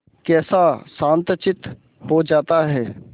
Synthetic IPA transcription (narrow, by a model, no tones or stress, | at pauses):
kɛːsasãːnt̪t͡ʃɪt̪ | ɦod͡ʒaːt̪aɦɛː